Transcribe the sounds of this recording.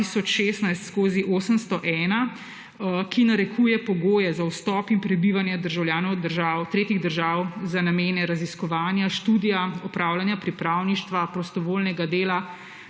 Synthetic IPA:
isɔt͡ʃʃest̪najst̪skoːziʔoːsəmst̪ɔʔɛːna | kinaɾɛkʰuːjɛpɔɡoːjɛzawst̪ɔːpimpɾɛbiʋanjɛd̪əɾʒawljaːnɔwd̪əɾʒaːt̪ɾeːt̪iɣd̪əɾʒaːwzanameːnɛɾaziskɔʋaːnjaʃt̪uːd̪ijaɔpɾaːwlanjapɾipɾawniʃt̪ʋapɾɔst̪ɔʋoːlnɛɡad̪eːla

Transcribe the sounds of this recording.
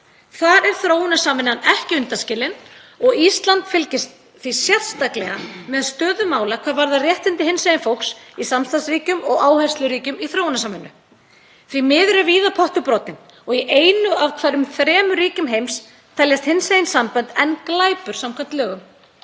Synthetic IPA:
θaɾɛɾ̥θɾoːwnasaːmɪnːanɛhcɪʏnt̪ascɪːlɪnɔɣist̪lant̪fɪlcɪst̪ | θvisjɛðst̪aklɛɣamɛðst̪œːðʏmaːwlakʰvaːɾvaɾðarjɛht̪ɪnt̪ɪhɪnsajɪnfow̪ksisamst̪ansɾiːcʏmɔɣaːwhɛ̥st̪lʏɾiːcʏmiθɾoːwnasaːmɪnːʏ̰ | θvimɪːðɾʏviːðapʰɔht̪ʏpɾɔːt̪ɪn | ɔɣiʔeːjnʏavkʰvaɾʏmθɾɛːmʏɾiːcʏmɦejms | t̪ʰɛljɛst̪hɪnsajɪnsampœnt̪ɛnklaːjpʏɾ̥samkʰvant̪lɛːɣʏm

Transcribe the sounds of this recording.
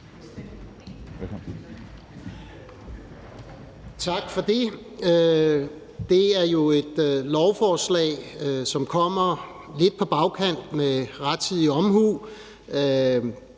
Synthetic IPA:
t͡sʰɑ̈ɡ̥fɒ̽d̥e̝ | d̥e̝æɐjo̝e̝d̥lɒʊfɒːslɛ̰ːɪsɒ̽mkʰɒ̽m̰ɐ | le̝d̥̚pʰɒ̽b̥ɑ̈ʊkʰæn̰d̥meʁad̥̚t͡sʰið̰ˠiɒ̽mhuː

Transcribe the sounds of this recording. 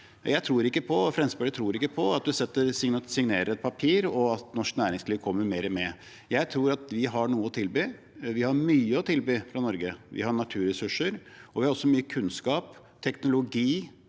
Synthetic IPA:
jæɪt̪ʰɾuːɾɪkːəpʰɔfɾɛmsbɛlət̪ʰɾuːɾɪkːəpʰɔɑt̪̚d̪ʉsɛt̪ːəsɪŋnsɪŋneːɾəɾɛt̪̚pʰɑpʰiːɾɔɑt̪nɔʂknæːɾɪŋsliːʋkʰɔmːəɾmeːɾəmɛ | jæɪt̪ʰɾuːɾɑt̪ʋɪɦɑɳuːəɔt̪ʰɪlbyː | ʋɪhɑɾmyːəɔt̪ʰɪlbyːfɾɑnɔɾɡəʋʔɪ̰hɑɳɑt̪ʰʉːɾɛsʉʂəɾɔʋɪhɑɾɔsːɔmyːəkʰʉnskɑːp | t̪ʰɛknʊlʊɡiː

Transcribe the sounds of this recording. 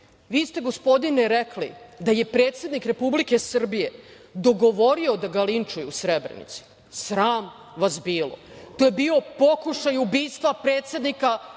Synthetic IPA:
ʋiːst̪e̞ɡo̞spo̞d̪ineɾeklḭd̪aje̞pɾe̞ːt̪se̞d̪nikɾe̞publike̞sr̩bije̞ | d̪o̞ɡo̞ʋo̞ɾio̞d̪aɡalint͡ʃujuusɾebɾḛnḭt̪si̥ | sɾaːm | ʋasbiːlo̞̰t̪ojebiːo̞po̞kuʃajubiːst̪ʋapɾe̞ːt̪sed̪nika

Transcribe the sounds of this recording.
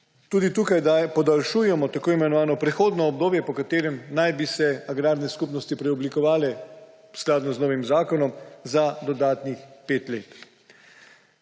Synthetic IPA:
t̪uːd̪it̪uːkajd̪apɔd̪alʃuːjɛmɔt̪akoːimɛnɔʋaːnɔpɾɛxoːd̪nɔːb̚d̪oːbjɛpɔkat̪eːɾɛmnajbisɛaɡɾaːɾnɛskupnɔst̪ipɾɛɔblikɔʋaːlɛ | sklaːd̪nɔznoːʋimzaːkɔnɔmzad̪ɔd̪aːt̪nixpeːt̪leːt̪

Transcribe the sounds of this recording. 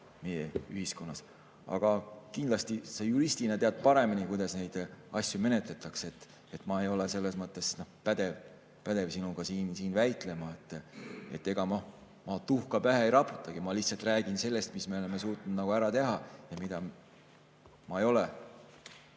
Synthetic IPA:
mejeyɦisko̞nːɑs | ɑ̰ɡ̥ɑkind̪lɑst̪isejuɾist̪inet̪eɑd̪̥̚pɑɾe̞minikujd̪̥ɑsne̞jd̪̥ɑsʲjume̞net̪le̞t̪ːˑɑkse̞t̪ː | e̞t̪ːˑmɑejo̞lese̞lːe̞smɤt̪ːˑe̞sno̞pæd̪̥ev | pæd̪̥e̞vsinuɡ̥ɑsiːnsiːnvæjt̪ˑle̞mɑe̞t̪ːˑe̞̰t̪ːˑe̞ɡ̥ɑmo | mɑt̪uhkɑpæɦeejɾɑpːu̥t̪ːˑɑɡ̥imɑliht̪sɑlt̪ˑræːɡ̥inse̞lːe̞st̪misme̞o̞le̞me̞s̬uːt̪nud̪̥nɑɡ̥uæɾɑt̪e̞ɦɑjɑmid̪̥ɑ | mɑejo̞le

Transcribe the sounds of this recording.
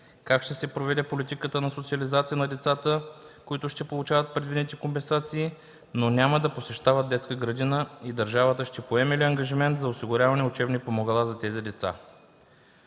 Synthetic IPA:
kakʃt̪ɛsɛpɾovɛd̪ɛpolit̪ikət̪ənɐsot̪siɐlizat̪sijənɐd̪ɛt̪sat̪əkoit̪ʊʃt̪ɛpolˠut͡ʃavɐt̪̚pɾɛd̪vinɛt̪ikompɛnsat̪siː | nonʲaməd̪ɐposɛʃt̪avəd̪̚d̪ɛt̪skəɡɾɐd̪inəid̪ɐɾʒavət̪əʃt̪ɛpoɛmɛliɐŋɡɐʒimɛnt̪zɐosiɡʊɾʲavɐnɛʊt͡ʃɛbnipomoɡɐlˠazɐt̪ɛzid̪ɛt̪sa̰

